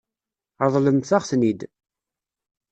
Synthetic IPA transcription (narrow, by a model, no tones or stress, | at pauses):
ðˤləmθaχθnid̪